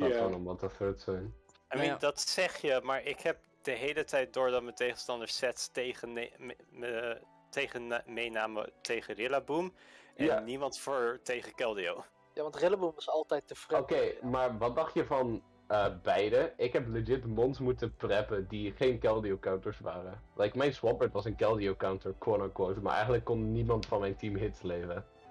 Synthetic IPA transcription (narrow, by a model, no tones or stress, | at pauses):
dɔnɔmɔtəføtsɛjn | amidɑtsɛχjəmaːɹɪkhɛp̚d̥əɦejlətʰɛjt̚dʊːɹdɑtməntejχənstɑndəɹsɛtsteχə | ə | tejχənmejnaːmə̰tʰejχərɪlabumʔɛnnimɑntfʊɹtejχəkɛlˠdiow | jaːʋɑntrɪlabumʋɑsɑlˠtɛjtəfrokejmaːɹʋɑt̚dɑχtjəvɑn | əbɛjdəɪkɦɛplɪd͡ʒɪtmɔntsmutəprɛpədiχejnkɛlˠdiokawntəɹsʋa̰ːrəlɛjkmɛjnswɔbəɹtʋɑsənkɛlˠdiowkawntəɹkwɔɹnokwowtma̰ɹʔɛ̰jχəntləkːɔnːimɑntfɑnmɛjntimɦɪtlejvə